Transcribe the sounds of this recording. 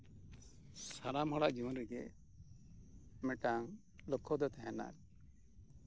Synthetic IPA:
saɾamɦɔɽaʔd͡ʒiwɔnɾɛɡɛʔ | mɛʈaŋ | lɔkʰːɔd̪ɔt̪ɛɦɛna̰ɾ

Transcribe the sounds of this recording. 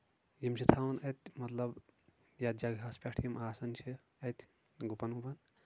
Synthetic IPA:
jimt͡ʃʰit̪ʰaːwɐnɐt̪̚ʲmɐt̪lɐb | jaːd̪̚d͡ʒaɡɦaːspʲaːʈʰijimʔaːsɐnt͡ʃʰi | ɐt̪ʲʰ | ɡupɐnupɐn

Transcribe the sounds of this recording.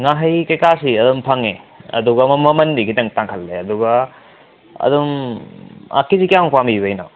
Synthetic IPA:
ŋaɦɐjkɐjkasiɐdumpʰɐŋeɐ̰duɡɐmɐmɐmɐndikʰitɐŋtaŋkʰɐlːeɐduɡɐ | ɐ̰dum | a̰kizikiawpambiβɐjna

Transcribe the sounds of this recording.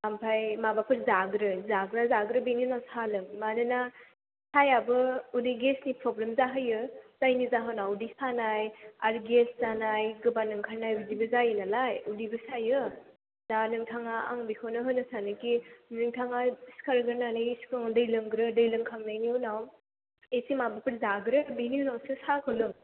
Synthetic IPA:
ampʰajmabapʰɯɾzaɡɾɯzaɡɾazaɡɾɯbeninawsalɯŋmadɯna | sajabɯudiɡesnipɾoblemzaɦɯjɯz̥ajnizaɦɯnawudisanajaɾɡeszanajɡɯbanɯŋkʰaɾnajbudibɯzajɯnalajudibɯsajɯ | danɯŋtʰaŋaa̰ŋbikʰawnɯɦɯnɯsanɯkinɯŋtʰaŋaskaɾɡɯɾnanɯjskʰɯŋdɯjlɯŋɡɾɯdɯjlɯŋkʰaŋnajnionaw | esimabɯpɯɾzaɡɾɯbiniunawsɯsakʰɯlɯm

